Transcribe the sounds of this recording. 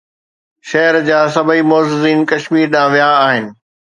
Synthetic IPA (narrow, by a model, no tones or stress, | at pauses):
ʃɐɦəɾd͡ʑaːsɐbʱəimɔːzɪziːnkɐʃmiːɾɗãːʋijaːɦɪnɪ̆